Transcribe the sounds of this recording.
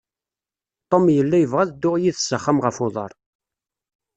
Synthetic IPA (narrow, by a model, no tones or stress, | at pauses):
t̪ˤːomjəlːæjəvʁæðd̪ːʊʁjiθsəχːəmʁəfoðˤə̰ɾˤ